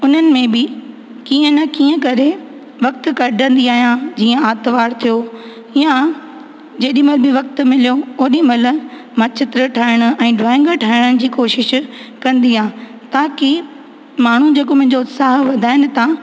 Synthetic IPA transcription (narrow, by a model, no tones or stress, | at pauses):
ʊn̤ənɪ̆mẽbɪ | kiːə̃nɐkiːə̃kɐɾe | ʋɐk̚t̪̆kɐɖʱə̃nd̪iaːɦijãd͡ʑiːə̃aːt̪ʋaːɽt̪ʰijo | ɪjã | d͡ʑeːɗimɐlbɪʋɐk̚t̪̆mɪlijooːɗimɐl̆ | mɐt͡ɕʰɪt̪ɾəʈʰaːɪɽ̃ʊ̆ɛ̃ːɖʋaːɪ̃ŋɡəʈʰaːɪɽ̃əɽ̃ɪ̆d͡ʑiːkoːʃɪʃkɐ̃nd̪iãː | t̪aːkɪ | maːɳ̤ud͡ʑeːkomʊ̃ɦɪ̃ɲd͡ʑoʊt̪saːɦʋɐd̪ʱaːɦɪnɪ̆t̪a